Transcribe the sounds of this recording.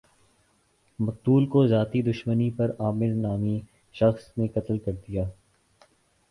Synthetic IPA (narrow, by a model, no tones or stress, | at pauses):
mɐq̚t̪uːlkozjaːt̪id̪ʊʃmənipɐɾaːmɪɾnaːmi | ʃɐxsnekɐt̪lkɐɾd̪ijaː